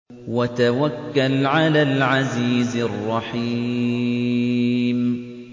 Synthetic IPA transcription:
wat̪awakːalʕalaːlʕaziːzɪrˤːɑħi | m

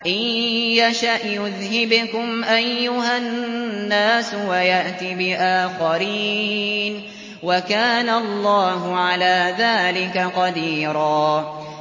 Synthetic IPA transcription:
ʔajjaʃaʔjʊðɦɪbkʊmʔajːʊɦanːaːswajaʔt̪ibɪʔaːxaɾiːn | wakaːnalˤːɑːɦʊʕalaːðaːlɪkaqɑd̪iːɾˤɑː

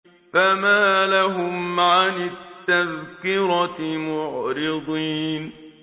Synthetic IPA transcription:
famaːlaɦʊmʕanɪt̪ːaðkɪɾɑmʊʕɾɪd̪ˤiːn

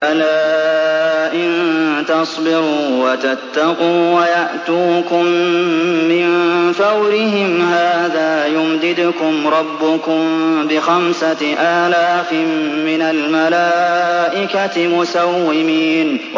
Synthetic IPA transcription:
ʔalaː | ʔɪnt̪ɑsˤbɪɾuːwat̪at̪ːaquːwajaʔt̪uːkʊmː | ɪnfawɾɪɦɪmhaːðaːjʊmd̪ɪd̪ʊkʊmɾˤɑbːʊkʊmbɪxamsaʔaːlaːfɪmːɪnalmalaːʔɪkatmʊsawːɪmiːn

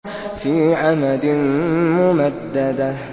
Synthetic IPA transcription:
fiːʕamad̪ɪnmʊmad̪ːad̪a

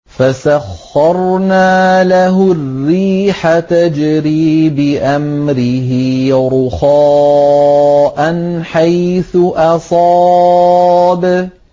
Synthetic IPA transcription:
fasaxːɑɾˤnaːlaɦʊrːiːħat̪ad͡ʒɾiːbɪʔamɾɪhɪɾʊxaː | ʔanħajθʊʔɑsˤɑ | b

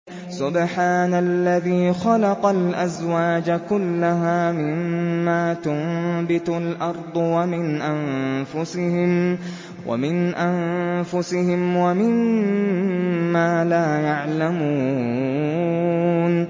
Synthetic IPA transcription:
sʊbħaːnalːaðiːxɑlɑqɑlʔazwaːd͡ʒakʊlːaɦaːmɪmːaːt̪ʊmbɪt̪ʊlʔɑɾˤd̪ˤwamɪnʔanfʊsɪhɪm | wʔa̰mɪnʔanfʊsɪhɪmwamɪm | aːlaːjaʕlamuː | n

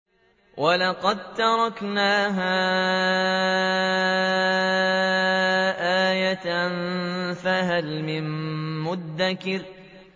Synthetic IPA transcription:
wʔɑlɑqɑd̪̚t̪ɑɾˤɑknaːɦaː | ʔaːjat̪anfaɦalmɪmːʊd̪ːakɪɾ

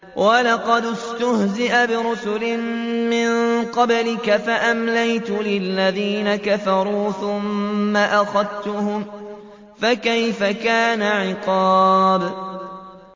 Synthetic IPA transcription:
walɑqɑd̪ɪst̪ʊhzɪʔabɪɾʊsʊlɪmmɪnqɑblɪkafaʔamlajt̪ʊlɪlːaðiːnakafɑɾˤuːθʊmːaʔaxɑðt̪ʊhʊm | fakajfakaːnaʕɪqɑːb

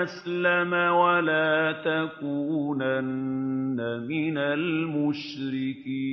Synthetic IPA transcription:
ʔaslamawalaːt̪akuːnanːamɪnalmʊʃɾɪkiː

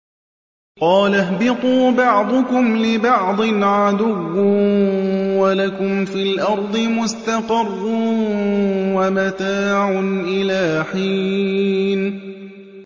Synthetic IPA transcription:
qɑːlaɦbɪt̪ˤuːbɑʕd̪ˤʊkʊmlɪbɑʕd̪ˤɨnʕad̪ʊwː | walakʊmfiːlʔɑɾˤd̪ˤɨmʊst̪aqɑrːʊnwamat̪aːʕʊnʔɪlaːħiː | n

